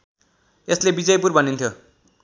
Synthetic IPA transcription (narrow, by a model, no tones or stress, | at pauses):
eslebid͡zʌjpurbʱʌnint̪ʰjo